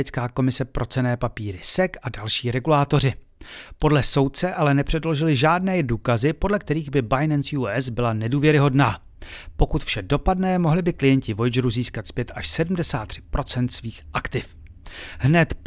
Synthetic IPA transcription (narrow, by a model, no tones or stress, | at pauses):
ɛt͡skaːko̞mɪsɛpɾo̞t͡sɛnɛːpapiːɾɪsɛkadalʃiːɾɛɡulaːt̪o̞r̝ɪ | po̞dlɛso̞wt̪̚t͡sɛʔalɛnɛpr̝̥ɛdlo̞ʒɪlɪʒaːdnɛːduːkazɪpo̞dlɛk̚t̪ɛɾiːɣbɪbajnɛnsjuːɛzbɪlanɛduːvjɛɾɪɦo̞dnaː | po̞kut̪fʃɛdo̞padnɛːmo̞ɦlɪbɪklɪjɛɲcɪvo̞jd͡ʒɾuziːskat̪spjɛt̪aʃsɛdm̩dɛsaːt̪ːr̝̥ɪ̥pɾo̞t͡sɛnt̪sviːxʔakt̪ɪf | ɦnɛt̪